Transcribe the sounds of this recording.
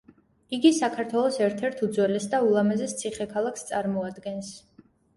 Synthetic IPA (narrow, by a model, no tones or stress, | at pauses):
iɡisakʰaɾt̪ʰwɛlˠɔsɛɾt̪ʰɛɾt̪ʰud̪zwɛlɛsd̪aulˠamɛzɛst̪sʰiχɛkʰalˠakʰst̪sʼaɾmɔad̪ɡɛns